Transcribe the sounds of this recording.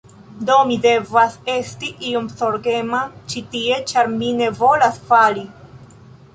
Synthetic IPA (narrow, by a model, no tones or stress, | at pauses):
domide̞vase̞stiʔiomsoɾɡe̞mat͡ʃitie̞t͡ʃaɾmine̞vo̞lasfali